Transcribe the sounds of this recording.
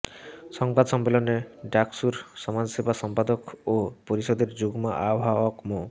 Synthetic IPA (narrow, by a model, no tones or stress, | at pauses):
sɔŋbad̪sɔmbelɔneɖaksuɾsɔmad͡ʒsebasɔmpad̪ɔkopɔɾisɔd̪eɾd͡ʒuɡmaʔawɦaɔkmo